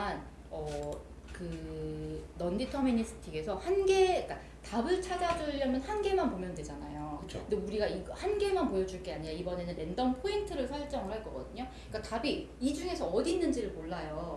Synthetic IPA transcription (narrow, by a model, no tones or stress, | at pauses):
n | ʌ | kɯ | nʌnditʰʌmiɲis͈ɯ̥tʰiɡe̞sʰʌhanɡe̞ik͈a | tabɯɭt͡ɕʰad͡ʑaduʎʌmjʌnhanɡe̞manpomjʌndwe̞d͡ʑanajoɯt͡ɕʰo̰kndeuɾiɡaiɡʌhanɡe̞manpojʌd͡ʑuɭk͈e̞aɲiɲaibʌne̞nɯne̞ndʌnpʰointʰɯɾɯɭsʰʌɭt͡ɕ͈ʌŋɯɭhaɭk͈ʌɡʌ̰dɯɲo | ik͈atabiid͡ʑuŋe̞sʰʌːdinːɯnd͡ʑiɾɯɭmoɭːajo